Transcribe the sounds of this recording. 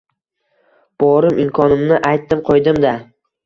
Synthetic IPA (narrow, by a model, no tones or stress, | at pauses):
b̥ɒɾɪmʔɪmkʰɒnɪmnɪʔajt̪ːɪmqʰojd̪ɪmd̪a